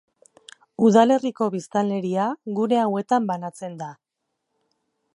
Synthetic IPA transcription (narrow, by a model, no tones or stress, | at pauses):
uðale̞riko̞βist̪ale̞ɾiaɣuɾe̞awe̞t̪ambanat͡se̞nd̪a